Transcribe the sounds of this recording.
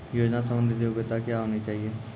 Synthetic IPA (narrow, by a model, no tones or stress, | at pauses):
joːd͡ʒnasə̃mbə̃nd̪ʱɪt̪eʊbɪt̪akjaɦoːnit͡ʃaːɦieː